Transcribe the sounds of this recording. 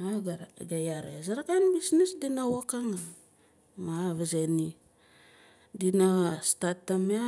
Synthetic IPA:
aɡaɡajaɾḛzaɾakanbisnisdinawakaŋa | maβazeni | dinastatːama

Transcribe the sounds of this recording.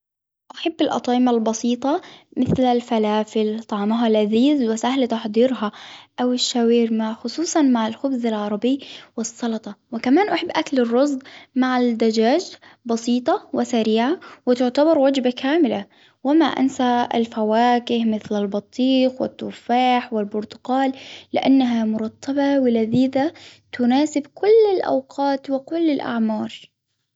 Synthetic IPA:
ʔaħabːɪlʔɑ̰t̪ˤɑːʔɪmalbɑsiːt̪ˤɑmɪθlalfalaːfɪlt̪ˤɑʕmaɦalʕaziːzwɪsahlt̪ɑħd̪ˤiːɾɦaʔawɪʃːawiːɾmaʕxʊsˤuːsˤɑnmaʕalxʊbzalʕɑɾˤɑbɪjwɪsˤːɑlɑt̪ˤɑwɪkamaːnʔaħabːʔaklɪrˤːɑzˤd̪maʕad̪ad͡ʒaːd͡ʒbɑsˤiːt̪ˤɑwɪsaɾiːʕawɪt̪ʊʕt̪abɑɾˤwad͡ʒbakʰaːmɪla | wɪmaʔa̰nsa̰lfawaːkɪhmɪθlalbɑt̪ˤːiːqwɪ̰t̪ːuːfaːħwɪlbʊɾt̪ʊ̥qɑːlːɪʔanːaɦamʊɾˤɑt̪ːɑbɑwɪlaðiːðat̪ʊnaːsɪbkʊlːɪlʔa̰wqʰɑːt̪wɪkʊlːɪlʔa̰ʕmɑːɾˤ

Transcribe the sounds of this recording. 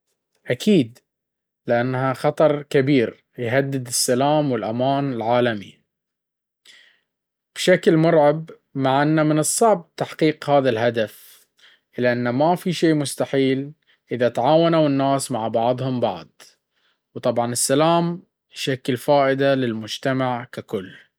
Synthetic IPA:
ʔakʰiːd̪ | lɪʔanːɦaxɑt̪ˤɑɾˤkabiːɾ | jɦad̪ːɪd̪ɪsːalaːmwɪlʔamaːnɪlʕaːlami | b̥ʃaklmʊɾˤʕab | maʕʔanːamɪnɨsˤːɑʕb̚t̪aħqiːqhaːðalɦad̪af | ʔɪlːaʔanːamafiʃeːmʊst̪aħiːl | ʔɪðat̪aʕaːwanawɪnːaːsmaʕbɑʕðˤhʊmbɑʕd̪̚ˤ | wt̪ˤɑbʕɑnɪsːalaːm | jʃakːlfaːʔɪd̪alɪlmʊd͡ʒt̪amaʕkakʊlː

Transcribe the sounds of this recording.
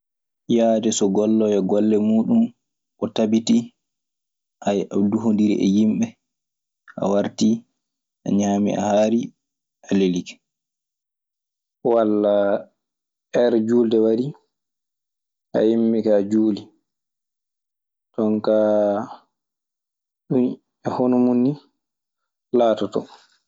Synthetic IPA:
jaːdɛsɔɡɔlːɔjɛɡɔlːɛmuːɗum | ʔɔtabiti | ʔajʔaduɦondiɾḭʔɛ̰jimɓɛ | ʔa̰waɾti | ʔa̰ɲaːmḭʔa̰haːɾi | ʔalelikɛ̥ | walːa | ɛɾd͡ʒuːldɛwaɾi | ʔa̰jimɓikad͡ʒuːli | tɔnka | ɗun | ɛhonumunːi | laːtɔtɔ

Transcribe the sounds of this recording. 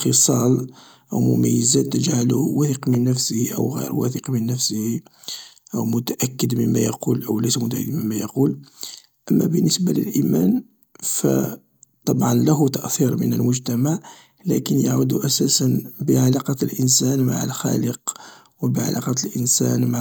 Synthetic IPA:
xəsˤɑl | ʔəwmʊ̰mæjːəzæt̪ːəʒʕaluwæθiqmənːəfsəhiʔə̰wɣḭɾwæ̰θiqmənːəfsəhi | ʔəwmʊt̪aʔækːəd̪məmːæjɑqulʔəwlæsmʊt̪aʔd̪məmːæjɑqul | ʔəmːæbənːəsbalə̰lʔimæn | fæ̰ | t̪ˤɑbʕɑnlæɦut̪aʔθiɾmənəlmʊʒt̪æmaʕ | lækənjaʕud̪uʔæsæsənbəʕalɑqɑt̪lʔənsænma̰ʕə̰lxæ̰ləq | wəbəʕa̰lʔɑqɑt̪lʔənsænma

